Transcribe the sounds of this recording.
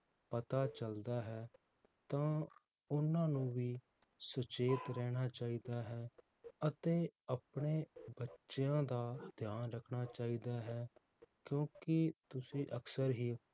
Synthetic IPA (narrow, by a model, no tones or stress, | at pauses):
pət̪aːt͡ʃəld̪aːɦɛː | t̪ãː | ʊnãːnũːʋiː | sət͡ʃeːt̪ɾɛːɽ̃aːt͡ʃaːiːd̪aːɦɛː | ət̪eːapɳeːbətːʃejãːd̪aːd̪jaːnɾəkʰɽ̃aːt͡ʃaːiːd̪aːɦɛː | kjõːkɪt̪ʊsĩːʔəksəɾɦiː